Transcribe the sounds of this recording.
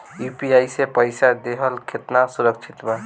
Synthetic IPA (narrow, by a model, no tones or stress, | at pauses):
jupiajsepəɪsad̪eɦəlkʰet̪nasuɾək̚t͡ʃʰit̪bə